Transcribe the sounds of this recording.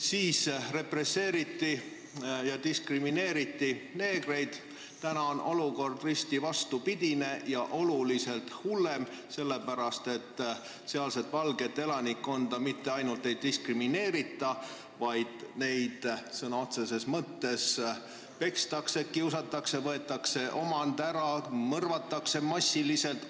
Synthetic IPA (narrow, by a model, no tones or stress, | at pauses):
siːsre̞pre̞sːe̞ːɾit̪ːi | jɑd̪iskrimine̞ːɾit̪ːine̞ːɡre̞jd̪̥ | t̪ænɑo̞nʔo̞luko̞rd̪rist̪ivɑst̪upid̪̥ʲine̞jɑʔo̞lulise̞lt̪hulːe̞m | se̞lːepæɾɑst̪e̞t̪ː | seɑlset̪ˑvɑlɡ̥e̞t̪ːelɑnikːo̞nd̪̥ɑmit̪ːeɑjnult̪ːˑe̞jd̪d̪̥iskrimine̞ːɾit̪ːˑɑ | vɑjd̪̥ne̞jd̪̥sɤnɑot̪se̞se̞smɤt̪ːe̞s | pe̞kst̪ɑkseet̪̚kiwsɑt̪ːˑɑksevɤ̞e̞t̪ːˑɑkse̞ʔo̞mɑnd̪æɾɑmɤrvɑt̪ːˑɑkse̞mɑsʲːilise̞lt̪